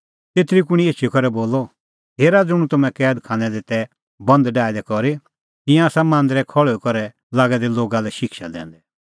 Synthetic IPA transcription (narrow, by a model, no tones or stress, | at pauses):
t̪eːt̪ɾikʊɽ̃ieːt͡ʃʰikʰɔɾɛboːlɔ | ɦeːɾad͡zʊɽ̃ũt̪ʊmɛ̃kɛːd̪kʰãːnɛd̪ɪt̪ɛ | bɐ̃nd̪ɖaːed̪ɛkɔɾe | k̪ɪ̃jãaːsamãːnd̪ɾɛkʰɔɭɔkɔɾɛ | laːɡɛd̪ɛloːɡalɛʃɪkʃa̰d̪ɛ̰̃ːnd̪ɛ